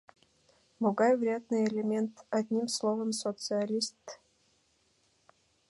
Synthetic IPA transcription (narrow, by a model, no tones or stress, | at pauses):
mʊɡajvɾʲad̪nɨjelʲemʲent̪ɐd̪ʲnʲimslˠovəmsot̪sɨɐlʲist̪